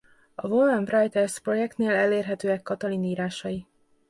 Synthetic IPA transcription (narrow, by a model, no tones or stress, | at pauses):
ɒvolanrɒjt̪ɛrspro̞jɛk̚t̪neːlɛleːrɦɛt̪øːɛkːɒt̪ɒliniːɾaːʃɒji